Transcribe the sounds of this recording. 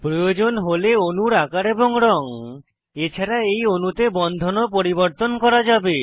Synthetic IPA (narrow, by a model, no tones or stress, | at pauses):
pɾojod͡ʑonɦoleonuɾakaɾeboŋɾɔŋ | et͡ɕʰaɾaejonut̪ebɔnd̪ʱonopoɾiboɾt̪onkɔɾad͡ʑabe